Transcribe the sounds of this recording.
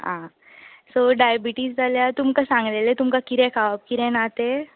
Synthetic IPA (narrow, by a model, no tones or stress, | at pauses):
ɦã | soɖajbiʈiːsd͡zʱaljat̪umkasãŋɡlelet̪umkakiɾɛ̃kʰaʋap̚kiɾɛ̃nat̪e